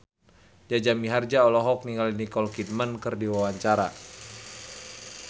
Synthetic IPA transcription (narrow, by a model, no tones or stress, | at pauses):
d͡ʒad͡ʒamiɦard͡ʒaɔlɔɦɔk̚niŋɡalinikɔlkid̚mankɨrdiwawaɲt͡ʃaɾa